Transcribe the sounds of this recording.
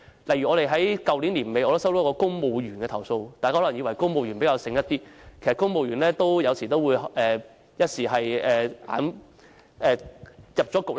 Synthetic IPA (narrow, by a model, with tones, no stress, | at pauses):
lɐ˨˩jɥyː˨˩ɔː˨˧ɾe˨jɦɐ˨˥jkɐ˨wliː˨˥nliː˨˩nme˨˧jʔɔː˧t̪o˥wsɐ˥wt̪ɔ˨˥kɔː˧˥kʊ˥ŋmo˨˧wɥyː˨˩nkɛː˧t̪ʰɐ˨˩wso˧wt̪aː˨kaː˥hɔ˨˥ɐ˨˩ŋjiː˨˧wɐ˨˩jkʊ˥ŋmo˨˧wjy˨˩npe˨˥jkaː˧wsɪ˧ŋjɐ˥t̪iː˥kʰe˨˩stkʊ˥ŋmo˨wɥyː˨˩nlɛː˥t̪o˥wjɐ˨˧wsiː˨˩t̪o˥wuː˨˧jʔɛː˨ | jɐ˥t̚siː˨˩ɦɐ˨jɛː˨ʔa̰ː˨˧˥n | ʔɛː˨jɐ˨p̚t͡ʃɔː˨˥kʊ˨k̚l